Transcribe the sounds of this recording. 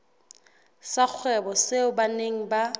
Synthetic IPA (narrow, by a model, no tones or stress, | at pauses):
sak͡xʰwɛbɔseʊbaneŋ̩ba